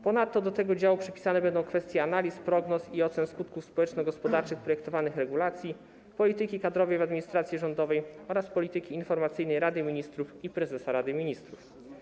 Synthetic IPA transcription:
pɔnat̪ːɔd̪ɔt̪ɛɡɔd͡ʑawupʂɛpʲi̥sanɛbɛnd̪ɔ̃w̃kfɛst̪ʲjɛanalʲispɾɔɡnɔsiɔt̪sɛnskut̪kufspɔwɛt͡ʂnɔɡɔspɔd̪aɾt͡ʂɘxpɾɔjɛk̚t̪ɔvanɘxɾɛɡulat̪sʲji | pɔlʲit̪ɘkʲikad̪ɾɔvɛjvad̪mʲiɲist̪ɾat̪sʲjiʐɔnd̪ɔvɛjɔɾaspɔlʲit̪ɘkʲiːnfɔɾmat̪sɘjnɛjɾad̪ɘmʲiɲist̪ɾufipɾɛzɛsaɾad̪ɘmʲiɲist̪ɾuf

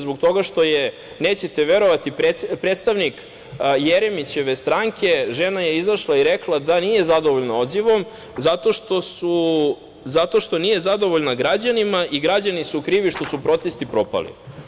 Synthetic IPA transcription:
zbokt̪o̞ɡaʃt̪o̞je | neːt͡ɕet̪e̞ʋe̞ɾo̞ʋat̪ipepɾet̪st̪aʋnik | jeɾemit͡ɕe̞ʋe̞st̪ɾaŋke̞ʒenaje̞izaʃlˠaiɾeklˠad̪anije̞zad̪o̞ʋoʎnao̞d̪ziʋo̞m | zat̪o̞ʃt̪o̞su | zat̪o̞ʃt̪o̞niːje̞zad̪o̞ʋoʎnaɡɾad͡ʑanimaʔiɡɾad͡ʑanisukɾiːʋiʃt̪o̞supɾo̞t̪e̞st̪ipɾo̞pa̰lḭ

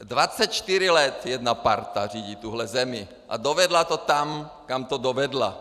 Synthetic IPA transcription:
d̪ʋat͡sɛcʃt̪iɾilɛt̪jɛd̪napaɾt̪ariːɟit̪uɦlɛzɛmi | ʔa̰d̪ɔʋɛd̪lat̪ɔt̪amkamt̪ɔd̪ɔʋɛd̪la

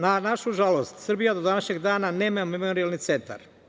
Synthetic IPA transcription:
nanaʃuʒalost̪srbijad̪od̪anaʃɲeɡd̪aːnanemamemooɾijalˠnit̪sent̪a̰ɾ

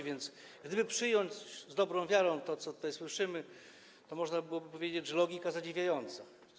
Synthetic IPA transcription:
vʲɛnt̪s | ɡd̪ɘbɘpʂɘjɔɲd͡ʑzd̪ɔbɾɔ̃w̃vʲjaɾɔ̃w̃ft̪ɔt̪sɔt̪ut̪ajswɘʂɘmɘ | t̪ɔmɔʐnabɘwɔbɘpɔvʲjed͡ʑed͡ʑʐɛlɔɡʲikazad͡ʑivʲjajɔnt̪sa

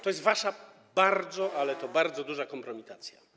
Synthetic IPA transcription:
t̪ɔjɛst̪vaʂa | baɾd̪zɔʔalɛt̪ɔbaɾd̪zɔd̪uʐakɔmpɾɔmʲit̪at̪sʲja̰

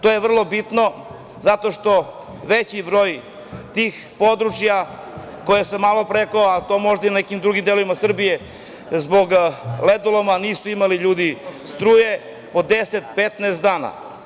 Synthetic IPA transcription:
t̪ojeʋr̩lˠo̞bit̪no | zat̪o̞ʃt̪o̞ | ʋet͡ɕibɾo̞ːj | t̪iːx | po̞d̪ɾut͡ʃja | ko̞jesemalˠopɾekoat̪o̞ːmo̞ʒd̪ainekimd̪ɾuɡimd̪eloʋimasr̩bije̞ | zbo̞ɡled̪olˠomaniːsuimaliʎuːd̪ist̪ɾuːje | po̞d̪eset̪pet̪neːst̪d̪aːna̰

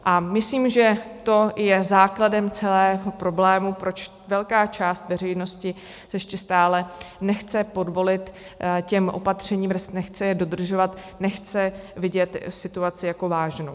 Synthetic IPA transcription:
ʔamɪsliːmʒɛt̪o̞jɛzaːkladɛmt͡sɛlɛːɦo̞pɾo̞blɛːmupɾo̞t͡ʃ | vɛlkaːt͡ʃaːst̪vɛrɛjno̞scɪ | sɛjɛʃcɛst̪aːlɛnɛxt͡sɛpo̞dvolɪt̪cɛmʔo̞̰pat̪r̝̥ɛɲiːmvrst̪nɛxt͡sɛjɛdo̞d̪r̩ʒo̞vat̪ | nɛxt͡sɛvɪɟɛt̪sɪt̪uat͡sɪjako̞vaːʒnow

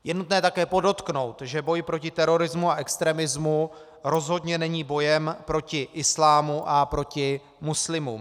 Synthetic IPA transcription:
jɛnut̪nɛːt̪akɛːpo̞do̞t̪kno̞wt̪ʒɛbo̞jpɾo̞cɪt̪ɛɾo̞ɾɪzmuaʔɛkst̪ɾɛːmɪzmu | ɾo̞zɦo̞dɲɛnɛɲiːbo̞jɛmpɾo̞cɪʔɪslaːmuʔapɾo̞cɪ | muslɪmum

